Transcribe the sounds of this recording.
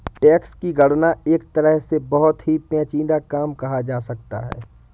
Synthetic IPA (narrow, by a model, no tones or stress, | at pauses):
ʈɛːkskiɡɐɽnaeːk̚t̪ɐɾəɦsebɐɦʊt̪ɦipɛ̃ːt͡ʃĩːd̪akaːmkɐɦad͡ʒaːsɐk̚t̪a̰ɦɛ̰ː